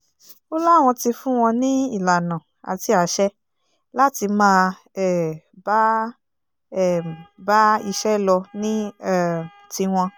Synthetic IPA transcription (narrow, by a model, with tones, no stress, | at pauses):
o˦la˦˨w̃ɔ̃˧ti˧fũ˦w̃ɔ̃˧nĩ˦i˦˨la˨nã˨ | a̰˨ti˧a˨˦ʃɛ˦ | la˦ti˧mãː˦˧ | ɛ˦˨ | ba˦ | ɛ˦˨ba˦i˧ʃɛ˦lɔ˧nĩ˦ɛ˦˨ | ti˧w̃ɔ̃˧